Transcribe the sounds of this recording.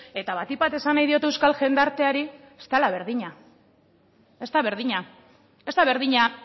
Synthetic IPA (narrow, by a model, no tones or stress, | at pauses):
e̞t̪aβat̪iβat̪e̞sanajðio̞t̪ewskalʝe̞nd̪aɾt̪e̞aɾi | est̪alaβe̞ɾðiɲa | e̞st̪aβe̞ɾðiɲa | e̞st̪aβe̞ɾðiɲa